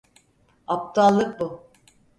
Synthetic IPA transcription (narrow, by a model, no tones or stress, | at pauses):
ap̚t̪ʰalˠːɯk̚bu